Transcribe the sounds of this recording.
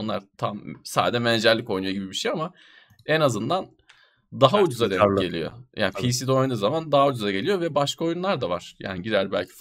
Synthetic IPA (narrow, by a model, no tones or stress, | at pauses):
nlˠa̰ɾt̪ʰamsaːd̪ed͡ʒɛmɛnd͡ʒæɾlʲiko̞jnujo̞ɟibibiʃejama | ɛnazɯnd̪an | d̪aɦaud͡ʒuzad̪ɛɟe̞lʲḭjo̰jʔa̰ːnpiːsid̪o̞jund̪uzamand̪aɦaud͡ʒuzaɟe̞lʲijo̞vɛbaʃkʰao̞junlˠaɾd̪avaɾ̥ja̰ːniɟiɾæɾbæ̰lʲcʰi̥f